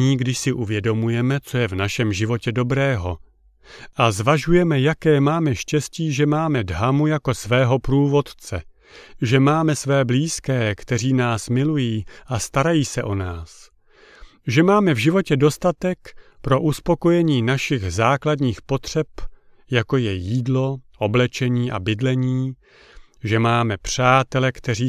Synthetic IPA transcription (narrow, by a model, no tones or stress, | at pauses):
iːɡdɪʃsɪʔuvjɛdo̞mujɛmɛt͡so̞jɛvnaʃɛmʒɪvo̞cɛdo̞bɾɛːɦo̞ | ʔazvaʒujɛmɛjakɛːmaːmɛʃcɛsciːʒɛmaːmɛdɦamujako̞svɛːɦo̞pɾuːvo̞t̪t͡sɛ | ʒɛmaːmɛsvɛːbliːskɛːkt̪ɛr̝iːnaːsmɪlujiːʔast̪aɾajiːsɛʔo̞naːs | ʒɛmaːmɛvʒɪvo̞cɛdo̞st̪at̪ɛkpɾo̞ʔuspo̞ko̞jɛɲiːnaʃɪɣzaːkladɲiːxpo̞t̪r̝̥ɛp | jako̞jɛjiːdlo̞ʔo̞blɛt͡ʃɛɲiːʔa̰bɪdlɛɲiː | ʒɛmaːmɛpr̝̥aːt̪ɛlɛkt̪ɛɾiː